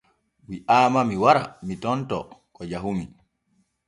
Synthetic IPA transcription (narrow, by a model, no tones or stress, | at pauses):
wiʔaːmamiwaɾa̰mitɔntɔ̰kɔd͡ʒaɦumi